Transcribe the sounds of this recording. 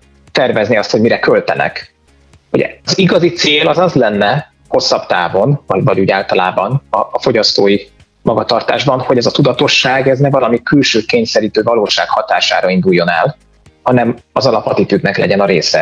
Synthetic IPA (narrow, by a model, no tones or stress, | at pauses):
t̪ɛrvɛzniɒst̪ho̞ɟmiɾɛkølt̪ɛnɛ̰k | hoɟɛ̰ɒziɡɒzit̪seːlɒzɒzlɛnːɛ | ho̞sːɒbt̪a̰ːvo̞nvɒvɒɟuɟaːlt̪ɒlaːbɒnɒːfo̞ɟɒst̪oːji | mɒɡɒt̪ɒrt̪a̰ːʒbɒnho̞ɟɛzɒt̪ud̪ɒt̪o̞ʃːaːɡɛznɛvɒlɒmikylʃøːkeːɲsɛɾiːt̪øːvɒloːʃaːkhɒt̪aːʃa̰ːɾɒind̪ujːo̞nɛ̰l | hɒnɛmɒzɒlɒpɒt̪it̪yd̪nɛklɛɟɛnɒɾeːsɛ̰